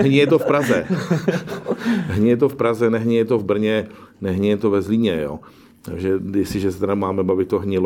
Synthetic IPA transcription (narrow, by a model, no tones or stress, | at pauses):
ɦɲɪjɛt̪ofpɾazɛ | ɦɲɪjɛt̪̬ofpɾazɛnɛɦɲɪjɛt̪ovbr̩ɲɛnɛɦɲɛjɛt̪ovɛzliːɲɛjo̰ː | t̪aɡʒɛjɛsɪʒɛst̪ɛɾamaːmɛbavɪt̪t̪ːoɦɲɪl